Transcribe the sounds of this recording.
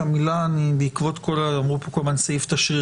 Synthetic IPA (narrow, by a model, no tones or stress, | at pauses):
amilanibeikvo̞t̪kolalamʁupo̞ko̞lbansajift̪aʃʁi